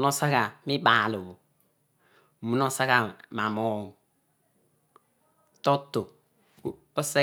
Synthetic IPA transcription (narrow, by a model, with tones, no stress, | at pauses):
no˦sa˦ka˨mi˦ba˨lo˨bo˨ | mu˨no˦sa˦ka˨ma˨mo˦˨ŋ˨ | to˦to˨ | o˦se˦